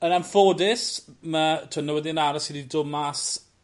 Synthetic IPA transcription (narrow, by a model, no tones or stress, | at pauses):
ənanfoːdɪsmatʰːnːəwɛðiənaɾɔsididʊmas